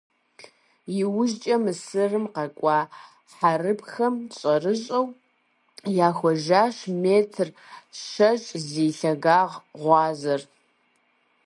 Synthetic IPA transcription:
jɪwʊʒt͡ʃʼɐmɨsɨrɨmqɐkʷʼɑː | ħarɨpxɐmɕʼɐrɨɕʼɐw | jaːxʷɔʒaːʃmeːtʰr | ʃɐʒʼzeːɬɐɣaːʁʁʷɑːzɐr

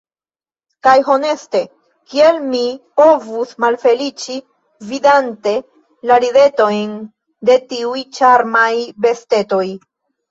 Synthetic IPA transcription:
kajɦone̞ste̞ | kielmipo̞vusmalfe̞lit͡ʃi | vidante̞ | laɾide̞to̞jn | de̞tiujt͡ʃaɾmajbe̞ste̞to̞j

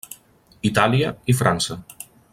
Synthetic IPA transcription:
it̪aliəifɾʔansə

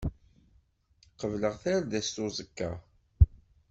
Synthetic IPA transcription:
qəvləʁθæɾðæst̪ʊzˤəkːa̰

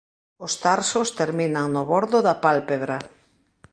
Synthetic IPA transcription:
ʊst̪aɾsʊst̪eɾminaŋnʊβɔɾðʊðapalpeβɾa

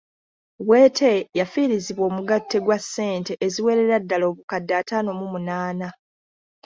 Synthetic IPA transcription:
we̞ːtʰe̞jafiɾiziβwo̞ːmuɡatːe̞ɡwasːe̞ːnte̞ʔeziwe̞ɾe̞ɾadːalo̞ːβukadːaːtaːno̞mumunaːna

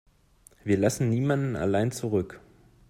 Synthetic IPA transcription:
viːɐlasn̩niːmandn̩a̰laɪnt͡suʁʏk

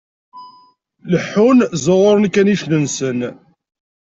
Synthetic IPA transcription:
ləħːunzəʁʊɾˤənkæniʃlənsən

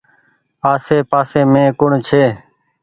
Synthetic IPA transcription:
aːseːpaːseːmẽːkʊɳt͡ʃʰeː

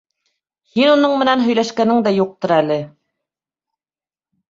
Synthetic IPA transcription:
hinunɤɴmɘ̆nænɦɵ̆jlæʃkænɘŋd̪æjuq̚t̪ɤɾælɘ

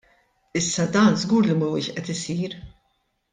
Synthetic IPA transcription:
ɪsːɐd̪ɐːnzɡuːɾlimɐwɪːʃʔɛt̪ɪsiːɾ

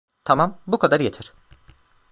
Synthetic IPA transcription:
t̪ʰamambukʰad̪aɾjet̪ʰiɾ̥

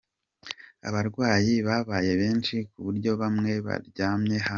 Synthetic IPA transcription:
a̰βaɾɡwaːjiβaβaːje̞βe̞ːnt͡ʃikuβuɾɟo̞βamŋe̞βa̰ɾɟaːmɲe̞ha

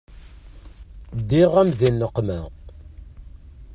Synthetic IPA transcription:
d̪ːiʁæmðinːəqːmæ

